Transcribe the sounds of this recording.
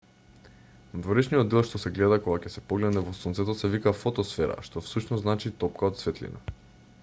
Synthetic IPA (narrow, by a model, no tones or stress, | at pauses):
nad̪voɾɛʃnijod̪d̪ɛlˠʃt̪osɛɡlɛd̪akoɡacɛsɛpoɡlɛd̪nɛvɔsɔnt̪sɛt̪osɛvikafɔt̪ɔsfɛɾa̰ʃt̪ofsuʃnɔznat͡ʃit̪ɔp̚kaot̪svɛt̪lḭna̰